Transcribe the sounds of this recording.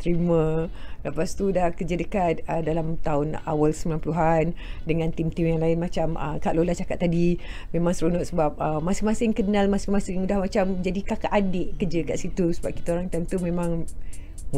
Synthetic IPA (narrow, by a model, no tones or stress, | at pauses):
t̪ɾimə̃ləpast̪udakəd͡ʒədəkat̪̚ədalamt̪aʊna̰walsəmbilanpəluɦandəŋãnt̪imt̪imjaŋlaɪnmat͡ʃamə̰kaʔlolat͡ʃakat̪ːadimẽmãŋsəɾunɔʔsəbap̚əmasɪŋmasɪŋkənalmasɪŋmasɪŋudahmat͡ʃamd͡ʒadikakaʔadeʔkərd͡ʒədəka̰t̪̚sit̪usəbap̚kit̪aoɾaŋt̪aunt̪umẽmãŋ